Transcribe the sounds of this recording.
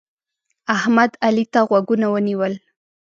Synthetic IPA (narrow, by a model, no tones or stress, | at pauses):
ahmad̪alit̪aɣwaɡunawəniwəl